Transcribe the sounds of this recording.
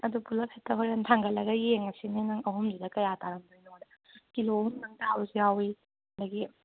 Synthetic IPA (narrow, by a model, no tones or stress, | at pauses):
ɐdupulɐpʰetʰːɐɦojɾɐntʰaŋɡɐlɐɡɐjeŋɐsininɐŋɐɦumzidɐkɐjataɾɐmdojnodɐ | kilohumnɐŋtaawzijawikɐndɐɡi